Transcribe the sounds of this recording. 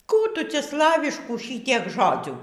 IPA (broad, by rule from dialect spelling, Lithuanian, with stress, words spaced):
ˈkuː ˈtʊ ˈt͡sʲɛ ˈslˠɑːʋʲɪʃkuː ˈʃʲiːtʲiɛk ˈʒoːd͡zʲuː